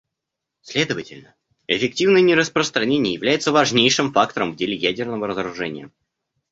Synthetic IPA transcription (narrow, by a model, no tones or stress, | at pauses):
sʲlʲe̞d̪əvətʲɪlʲnə | ɪfʲɪk̚tʲivnəjnʲɪɾəspɾəst̪ɾɐnʲenʲɪjəjɪvlʲæjɪt̪səvɐʐnʲejʂɨmfak̚t̪əɾəmvdʲelʲɪjædʲɪrnəvəɾəzəɾʊʐɛnʲɪjə